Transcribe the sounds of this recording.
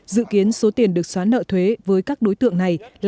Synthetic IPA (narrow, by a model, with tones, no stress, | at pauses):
zɨ̰˧˨ki˨˦ənso˨˦t̪i˨˩ənɗɨ˨˩ək̚swaː˨˦nːə̰ː˧˨t̪ʰwe˨˦vəː˨˦jkaː˦˥k̚ɗo˨˦jt̪ɨ̰˧˨əŋna˨˩jl